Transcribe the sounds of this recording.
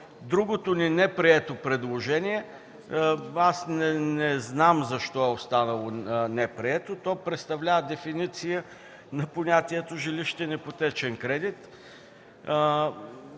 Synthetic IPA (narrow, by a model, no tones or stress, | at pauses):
d̪ɾuɡot̪oninɛpɾiɛt̪opɾɛd̪lˠoʒɛniɛ | asnɛnɛznamzɐʃt̪ɔɛost̪anɐlˠonɛpɾiɛt̪ot̪ɔjpɾɛt̪st̪ɐvlʲavəd̪ɛfinit̪sijə | nɐponʲat̪iɛt̪oʒiliʃt̪ɛnɛpot̪ɛt͡ʃɛnkɾɛd̪it̪